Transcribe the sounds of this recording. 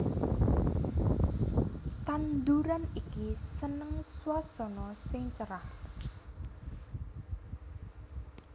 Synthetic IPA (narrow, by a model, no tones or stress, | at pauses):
t̪and̪uɾanikisənəŋswasɔnɔsɪŋt͡ʃəɾah